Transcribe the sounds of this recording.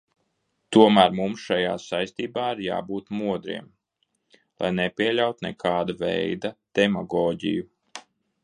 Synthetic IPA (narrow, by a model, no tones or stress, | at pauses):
t̪uɔmæːɾmumsʃaja̰ːsajst̪iːbaːiɾja̰ːbuːt̪muɔd̪ɾḭɛm | lˠa̰jnɛpʲiɛlʲawt̪nɛkʰɑːd̪avɛ̰jd̪ad̪̥ɛmɔɡɔːɟḭju